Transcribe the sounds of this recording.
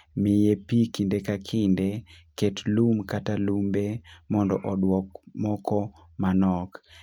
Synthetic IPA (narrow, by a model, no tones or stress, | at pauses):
mɪjepikindekakʰɪndeketlumkatalumbemɔndɔ̰ʔɔdwɔkmɔkɔ | manɔk